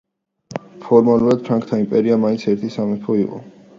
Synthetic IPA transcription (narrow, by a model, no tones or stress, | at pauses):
pʰɔɾmaluɾad̪̥̚pʰɾaŋkʰt̪ʰaimpʼɛɾiamaint̪sʰɛɾt̪ʰisamɛpʰɔiqʼɔ̰